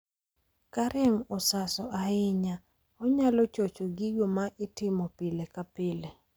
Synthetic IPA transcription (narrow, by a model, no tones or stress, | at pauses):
kaɾʔɪmɔsasɔʔaɪɲa | ɔɲalɔt͡ʃot͡ʃoɡɪɡomaʔɪtɪmɔpilekapɪle